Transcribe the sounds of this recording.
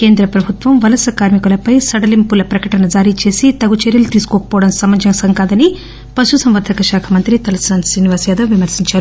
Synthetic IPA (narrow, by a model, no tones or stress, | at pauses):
keːnd̪ɾɐpɾɐbʱut̪ʋɐmʋɐlɐsɐkaːɾmikulɐpɐjsɐɽɐlimpulɐpɾɐkɐʈɐnɐd͡ʒaːɾit͡ʃe̞ːsit̪ɐɡut͡ʃeɾjɐlut̪iːsu̥kɔːkɐ̥pɔːɐɽɐmsɐmɐd͡ʒɐmsɐŋkaːd̪ɐni | pɐʃusɐmʋɐɾd̪ʰʱɐkɐʃaːkʰɐmɐnt̪ɾit̪ɐlɐsɐːnsiːniʋaːsjaːd̪ɐʋʋimɐɾsiɲt͡ʃaːɾu